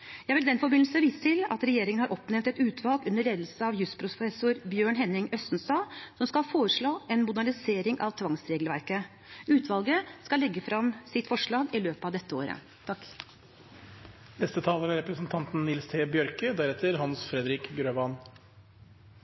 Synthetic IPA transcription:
jæɪʋɪld̪ɛnfɔɾbɪnl̩səʋiːsə̥t̪ʰɪlɑ̰t̪ɾɛjeːɾɪŋənhɑɾʔɔpnɛmt̪ɛt̪ʉːt̪ʰʋɑlɡʉnːəɭeːd̪l̩səɑʋjʉspʰɾʊfɛsʊɾbjøːɳɦɛnːɪŋœst̪nst̪ɑːsɔmskɑhfoːɾəʂɭoːʔɛnmʊd̪æɳɪseːɾɪŋʔɑ̰ʋt̪ʰʋɑŋsɾeːɡlʋæɾkə | ʉːt̪ʰʋɑlɡəskɑlɛɡːəfɾɑmsɪt̪fɔʂɭɑːɡɪløːpəɑʋd̪ɛt̪ːəo̰ːɾə̰ | t̪ʰɑk | nɛst̪ət̪ʰɑːləmɛɾɛpɾəsnt̪ʰɑnt̪n̩nɪlst̪ʰeːbjœɾkəd̪æɾɛt̪ʰəɾɦɑnsfɾɛd̪ɾɪkɡɾøːbɑn

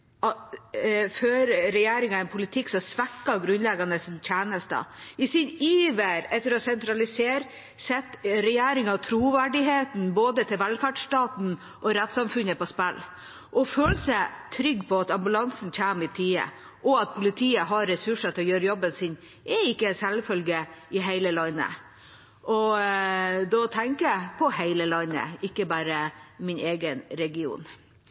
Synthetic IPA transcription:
ɑ | føːɾɾɛjeːɾɪŋɑɛnpʰʊlɪt̪ʰɪksɔsʋɛkːɑɡɾʉnlɛɡɑnəsɪntʰeːnəst̪ə̰ɪsɪniːʋeɾɛt̪ːəɾɔsɛnt̪ɾɑlɪseːɾ | sɛt̪ːɾɛjeːɾɪŋɑt̪ʰɾuːʋæɖɪɦeːt̪n̩boːd̪ət̪ʰɪlʋɛlfæʈʂʈɑːt̪n̩ | ʔɔɾɛt̪sɑmfʉnəpɔspɛlː | ʔɔføːləsæt̪ʰɾʏɡːpʰɔɑt̪ɑmbʉlɑnsnc͡çʰæːmɪt̪ʰiːə̰ | ʔɔɑt̪̚pʰʊlɪt̪ʰiːəɦɑɾːɛsʉʂət̪ʰɪlɔjøːɾəjɔbənsɪn | ʔɛɪkːəsɛlfœlɡɪɪɦæɪləlɑɪnə̰ | ʔɔ | d̪ɔt̪ʰɛŋkəpʰɔhæɪləlɑɪnə̰ɪkːəbæːɾəmɪneːɡənɾɛɡɪṵːn

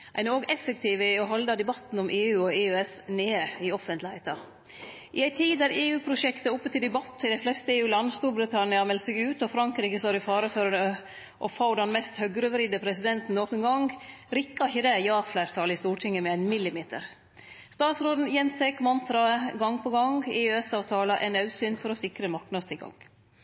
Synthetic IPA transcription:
ʔæɪnoːɡɛfːəkt̪ʰiːʋəɔɦɔld̪ɑd̪ɛbɑt̪n̩ɔmʔeːʉːɔeːɛsneːəɪɔfənt̪lhæɪt̪ɑ | ʔɪæɪt̪ʰiːd̪d̪æɾeːʉːpʰɾʊʂɛkt̪əʊpːət̪ʰɪld̪ɛbɑt̪ːɪd̪æɪflɛst̪əeːʉːlɑnːəst̪uːɾbɾɪt̪ʰɑnɪɑmɛlsɛɡʉːt̪ɔfɾɑŋkɾiːkəst̪oːɾɪfɑːɾəføɾə | ʔɔfoːɖɛnmɛst̪hœɡɾøʋɾɪd̪əpʰɾɛsɪd̪ɛnt̪n̩noːkənɡɑŋɡɾɪkːɑɪçəd̪ɛjɑːflæːɾt̪ʰɑːlɪst̪uːʈʰɪŋːəmɛæɪnmɪlːɪmeːt̪ə̰ɾ | st̪ɑːt̪sɾoːd̪n̩jɛnt̪ʰɛkːmɑnt̪ɾɑɡɑŋːpʰɔɡɑŋɡeːɛsɑːʋt̪ʰɑːləʔɛ̰ɪnɑʉsyːnfɔɾɔsɪkɾəmɑɾknɑd̪st̪ɪlɡɑ̰ŋ

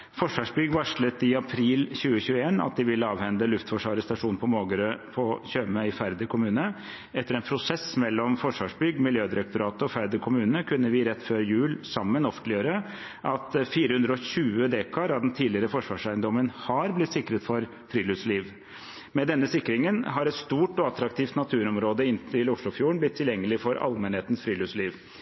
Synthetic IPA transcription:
fɔʂʋɑːʂbʏɡʋɑʂɭət̪ɪɑpʰɾiːlçʉːəçʉːəeːnɑ̰t̪̚d̪ɪʋɪlːəɑːʋhɛnd̪əlʉft̪fɔʂʋɑːɾəst̪ɑʂuːnpʰɔmoːɡəɾəpʰɔçøːməɪfæɾd̪əkʰʊmʉːnə | ɛt̪ːəɾɛnpʰɾʊsɛsmɛlːɔmfɔʂʋɑːʂbʏɡmɪljøːd̪ɪɾɛk̚t̪ʊɾɑːt̪əɔfæɾd̪əkʰʊmʉːnəkʰʉnːəʋɪɾɛt̪ːføːɾəjʉːlsɑmːənɔfənlɪjøːɾə | ʔɑt̪fiːɾəhʉnd̪ɾəɔçʉːəd̪eːkʰɑɾɑd̪ɛnt̪ʰiːlɪəɾəfɔʂʋɑːʂæɪənd̪ɔmənhɑɾblɪt̪sɪkːɾət̪fɔɾ | fɾiːlʉsliːʋ | mɛd̪ɛnːəsɪkːɾɪŋənɦɑɾɛt̪st̪uːʈɔɑt̪ɾɑkt̪ʰiːft̪nɑt̪ʰʉːɾɔmɾoːd̪əɪnt̪ʰɪlʊʂɭʊfjuːəɳblɪt̪ʰːɪljɛŋːəlɪfɔɾɑ̰lmɛnheːt̪ən̩sfɾiːlʉsliːʋ

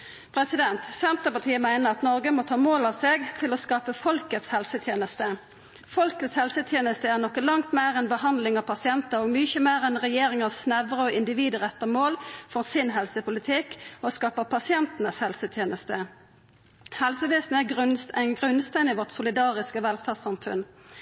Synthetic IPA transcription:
pʰɾɛsɪd̪ɛnt̪sɛnt̪əpɑt̪ʰiːəmæɪnəʁɑt̪nɔʁɡəmɔt̪ʰɑːmoːlɑʋseːɡt̪ʰɪlɔskɑːpəfɔlkət̪shɛlsət̪ʰjeːnəst̪ə | fɔlkət̪shɛlsət̪ʰjeːnəst̪əæʁnɔkːəlɑŋt̪meːʁɛnbəhɑnd̪lɪŋɑʋpʰɑsɪɛnt̪əɾɔɡmʏçəmeːʁɛnʁɛjeːɾɪŋɑssnɛʋəʁəɔɪnd̪ɪʋiːd̪əʁɛt̪ːəʁmoːlfɔʁsɪnɦɛlsəpʰʊlɪt̪ʰɪkːɔskɑːpəpʰɑsɪɛnt̪ənəshɛlsət̪ʰjeːnəst̪ə | hɛlsəʋeːsn̩æɡʁɡʁʉnst̪æɪnɪʋɔʈ̪sʊlɪd̪ɑːʁɪskəʋɛːlfɑːsɑmfʉ̰n

